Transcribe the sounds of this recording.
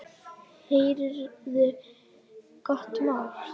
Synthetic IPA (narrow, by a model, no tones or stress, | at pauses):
heːjɾʏɾvɪð | kɔht̪mawl